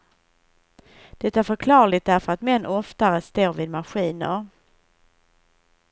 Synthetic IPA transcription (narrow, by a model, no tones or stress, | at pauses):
d̪̥ɛt̪ːaæɾfœɾkʰlɑːɾɭɪt̪̚d̪æɾfœɾat̪mɛnːʔɔft̪aɾəst̪oːɾviːd̪maɧiːnə̰ɾ